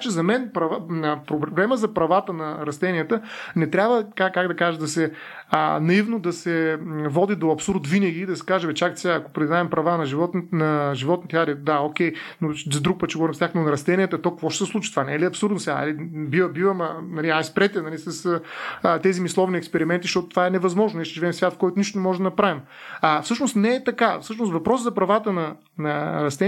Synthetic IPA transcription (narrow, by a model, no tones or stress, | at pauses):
t͡ʃɛzɐmɛnpɾɐvaəpɾobblɛməzɐpɾɐvat̪ənɐɾɐst̪ɛniət̪ənɛt̪ɾʲabvəkakakɡd̪ɐkaʒɛd̪ɐsɛ | ənɐivnod̪ɐsɛvɔd̪id̪oɐpsuɾt̪vinɐɡ̟ʲiːd̪ɐsɛ̥kaʒɛvɛt͡ʃak̪sɛaːɐko̥pɾid̪naɛmpɾɐvanɐʒivɔt̪nnɐʒivɔt̪nit̪ʲaɾɛd̪aokʲɛjnozɐd̪ɾuk̚pət̪t͡ʃɛɡovɔɾimst̪jaknonɐɾɐst̪ɛniɛt̪ɐt̪ɔkvɔʃt̪ɛ̥sɛslˠut͡ʃit̪vanɛliɐpsuɾd̪nosɛa̰nɐ̰libivəbivəmɐnɐliaspɾɛt̪ɛnɐlisɐsət̪ɛzimislˠɔvniɛkspɛɾimɛnt̪iʃt̪ɔt̪o̥t̪ovaɛnɛvɐzmɔʒnoniɛʃt̪ɛʒivɛmsvʲat̪fkɔjt̪ʊniʃt̪onɛmɔʒɛd̪ɐnɐpɾavim | afsɤʃnost̪nɛːt̪ɐkafsɤʃnost̪vɐpɾɔszɐpɾɐvat̪ənɐ | nɐɾɐst̪ɛ